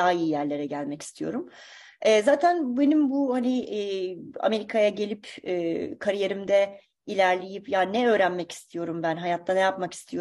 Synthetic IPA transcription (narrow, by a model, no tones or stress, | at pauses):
aːiːjæɾlʲe̞ɾɛɟælʲmɛci̥st̪ʰijo̞̰ɾum | ɛːzaːt̪ʰænbe̞nimbuhaniː | a̰me̞ɾikʰajaɟelʲipɛːkʰaɾije̞ɾimd̪ɛ | ilʲæɾlʲe̞jipjanɛøːɾænmɛci̥st̪ʰijo̞ɾumbænɦajat̪ʰːanɛjapmaki̥st̪ʰijo